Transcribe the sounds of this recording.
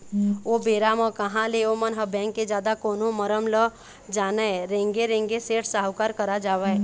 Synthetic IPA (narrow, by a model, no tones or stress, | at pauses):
obeːɾaməkəɦãleomənɦəbɛ̃ːŋkːed͡ʒjaːd̪akoːnõməɾəmlə | d͡ʒaːnaeɾẽːŋɡeɾẽːŋɡeseːʈʰsaːɦʊkaɾkəɾad͡ʒaːwe